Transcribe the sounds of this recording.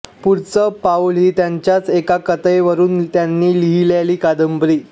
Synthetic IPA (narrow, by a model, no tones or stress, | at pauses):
puɾt͡səpaulɦiːt̪jaɲt͡ɕjat͡sekakət̪əjʋəɾuːnt̪janːiːliɦiljaliːkad̪əmbɾiː